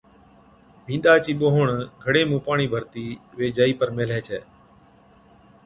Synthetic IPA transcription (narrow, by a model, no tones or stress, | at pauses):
mʱĩːnɗ̪aːt͡ʃiːɓoːɦɳɡʱəɽeːmũːpaːɳ̃iːbʱəɾt̪iːʋeːd͡ʒaːiːpəɾmeːlɛːt͡ʃʰɛ̰ː